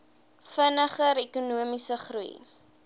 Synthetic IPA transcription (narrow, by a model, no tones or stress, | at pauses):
fənəχəɾekunuəmisəχrṵj